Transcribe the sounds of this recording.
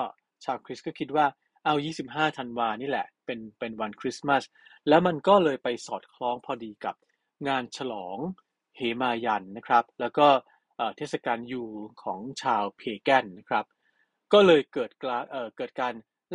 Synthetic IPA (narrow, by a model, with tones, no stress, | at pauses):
t͡ɕʰaː˧wkʰɾi˦˥s̚kɔː˥˩kʰi˦t̪̚waː˥˩ | ʔa˧˩wjiː˥˩si˨˩p̚ɦaː˥˩t̪ʰa˧nwaː˧niː˥˩lɛ˨˩ʔpe˧npe˧nwa˧nkʰɾi˦˥sma˥˩s | lɛː˦˥wma˧nkɔː˥˩lɤː˧jpa˧jsɔː˨˩t̪̚kʰlɔː˦˥ŋpʰɔː˧diː˧ka˨˩p̚ | ŋaː˧nt͡ɕʰa˧lɔː˩˦ŋ | heː˩˦maː˧ja˧nːa˦˥kʰɾa˦˥p̚lɛː˦˥wkɔː˥˩ | ʔɤː˨˩t̪ʰeː˥˩t̪̚sa˧kaː˧njuː˨˩kʰɔː˩˦ŋt͡ɕʰaː˧wpʰeː˧kɛ˥˩nːa˦˥kʰɾa˦˥p̚ | kɔː˥˩lɤː˧jkɤː˨˩t̪̚kaː˧ʔɤː˨˩kɤː˨˩t̪̚kaː˧n